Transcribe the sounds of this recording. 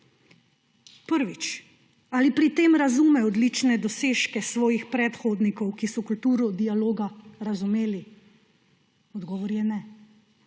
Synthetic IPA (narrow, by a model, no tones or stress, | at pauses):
pəɾʋit͡ʃ | aːlipɾit̪eːmɾazuːmɛɔd̪lit͡ʃnɛd̪ɔseːʃkɛsʋɔːjixpɾɛt̪xoːd̪nikɔwkisɔkult̪uːɾɔd̪ialoːɡaɾazumeːli | ɔd̪ɡɔːʋɔɾjɛnɛ